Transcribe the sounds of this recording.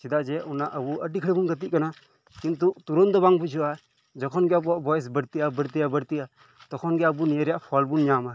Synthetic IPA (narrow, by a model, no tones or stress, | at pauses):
sid̪ad͡ʒɛʔɔnaʔəbuʔəɖikʰɽibuŋɡət̪̬iʔkana | kint̪ut̪uɾɔnd̪ɔbaŋbud͡ʒɔa | d͡ʒɔkʰɔnɡɛabuaʔbɔjs̬bəɽt̪iʔabəɽt̪iabəɾt̪ia | t̪ɔkʰɔnɡɛəbuniəɾjaʔpʰɔlbunɲama